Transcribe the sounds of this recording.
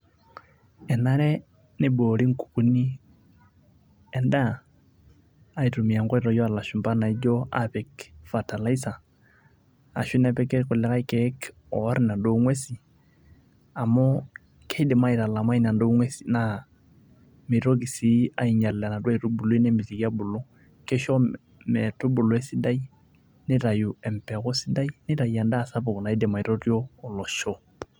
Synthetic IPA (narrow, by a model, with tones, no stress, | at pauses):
ɛ˨na˦ɾɛ˦ | nɪ˦bo˨ɾi˦ŋ̩˨ku̥˨ku˦ni˦ | ɛ˨nda˦ | i˨tu˨mi˨a˨ŋɡa˦iɾɔ˨jɔ˦a˨la˨ʃu˨mba˦na˨i˦d͡ʒɔ˦a̰pɛ˨kfa˨ta˨la˦i˦sa˨ | a̰˨ʃu˦nɛ˦pɛ˦kɛ˦kʊ˨lɛ˨ka˦i˦kɛ˦k | ɔ˨˦ɾi˦na˨ndo˨˦ŋwe˦si˨ | a˨mɔ˦ | kʰɛ˦jdɛ˨ma˦i˨ɾa˨la˨ma˦i˦na˨ndo˦ŋwe˦si̥˨na | mɪ˨ɾo˦k̬i˨si˦a˨i˨ɲa˨lla˨na˨dwa˦i˨ɾu˦bu˨lo˦i˦nɛ˦mbi˨ti˨ki˦a˦bʊ˨lo˦ | kɛ˦ʃɔ˦ | mɛ˨tʊ˦bʊ˨lɔ˨ɛ˦si˦da˦i˦ | nɪ˦ɾa˨ju˨ɛ˨m˨pɛ˨kɔ˦si˦da˦i˦nɪ˦ɾa˨ja˨nda˦˨sa˦pʊ˨kna˨i˦dɛ˨ma˨i˨ɾo˦ɾjɔː˦˨lɔ˨ʃɔ˦